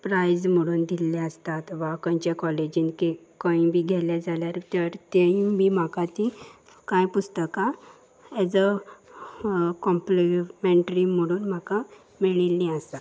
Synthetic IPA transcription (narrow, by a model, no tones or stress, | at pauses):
pɾajd͡zm̤əɽuːnd̪ʱilːɛəst̪at̪ʋakə̃jt͡ɕakɔled͡ʑinkekə̃ĩbʱiːɡʱɛljad͡zaljaɾt̪əɾt̪eĩbim̤akat̪ĩ | kãjpust̪əka | ɛd͡zə | kɔmplimeɳʈɾim̤əɽuːnm̤aka | miɭilːĩəst̪at̪